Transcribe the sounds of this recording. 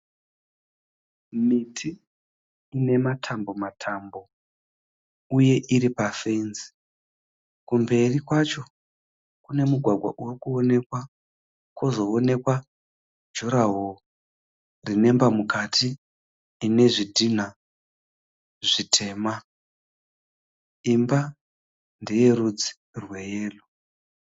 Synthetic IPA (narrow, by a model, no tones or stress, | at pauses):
mitʰiː | ne̞matʰambo̞matʰambo̞ | uje̞ʔiɾipafenzi̥ | kumbe̞rikwat͡ʃo̞ | kune̞muɡʱwaɡʱwa̰ʔurikuone̞kwa | kwo̞zo̞ːne̞kwa | d͡ʒuɾaɦo | rine̞mbamukatʰiː | ne̞ʐidʱin̤a | ʐitʰe̞ːma | imba | ndeje̞ɾud͡zi̥ | rweje̞ːlo